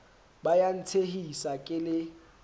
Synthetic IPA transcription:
bajan̩tʰehisakʼɪlɪ

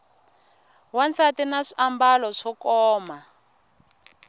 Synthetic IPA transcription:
want͡sʰatinaʂiambalɔʂɔkɔːma

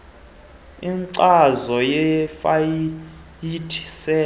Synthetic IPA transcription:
inǀazɔjɛfa | jitʰi̥sɛː

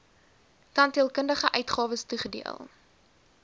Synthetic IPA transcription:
kɐntiəlˠkəndəχəʔœɥtχɑːvəstuχədḭə̰lˠ

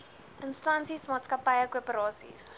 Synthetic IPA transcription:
ʔənstɐnsismɑːtskɐpəjəkuəpəɾɑːsḭs

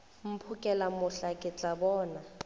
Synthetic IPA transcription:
m̩pʰukʼɛlamʊɬakʼɪt͡ɬʼabɔːna

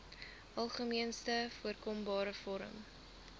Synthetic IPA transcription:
ʔɐlˠχəmiənstəfuərkɔmbɑːɾəfɔɾə̰m

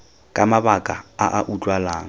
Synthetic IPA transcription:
kʼamabakʼaaʔaʔut͡ʃʼwalaːŋ̩

